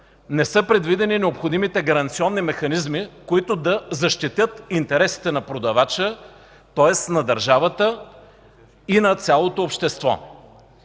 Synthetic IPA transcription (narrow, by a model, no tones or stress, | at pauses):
nɛsɤpɾɛd̪vid̪ɛninɛopxod̪imit̪ɛɡɐɾɐnt̪siɔnːimɛxɐnizmikoit̪od̪ɐzɐʃt̪it̪jɤt̪int̪ɛɾɛsi̥t̪ɛnɐpɾod̪ɐvat͡ʃə | t̪ɔɛsnɐd̪ɐɾʒavət̪ə | inɐt̪sʲalˠot̪oːpʃt̪ɛst̪vɔ̰